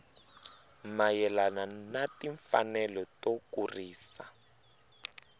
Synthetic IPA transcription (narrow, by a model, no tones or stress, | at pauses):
majɛlananatiɱfa̰nɛlɔtokuriːsa